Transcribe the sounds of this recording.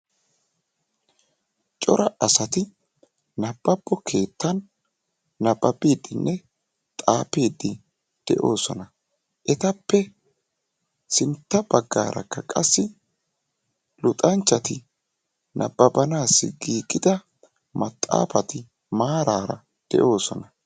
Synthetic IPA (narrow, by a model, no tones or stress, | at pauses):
t͡ʃʼɔɾɐɐsɐt̪ɪ | nɐb̥ːɐb̥ːɔkʰe̞ːt̪ːɐnː | ɐbːɐbiːd̪ɪnːʔɛ | t̪ʼaːpeːd̪ːɪ | d̪̥ɛʔo̞ːsɔnɐ | ʔɛt̪ɐpːɛ | sɪnt̪ːɐbɐɡːa̰ːɾʔɐ̰kːɐkʼɐ̰sːɪ | lʊt̪ʼɐnt͡ʃːɐt̪ɪ | nʔɐbːɐbɐnaːsːɪ̰ɡiːkʼːɪd̪ɐ | mɐt̪ʼːa̰ːfɐt̪ɪ | maːɾaːɾɐ | d̪̥ɛ̰ʔo̞ːsɔnɐ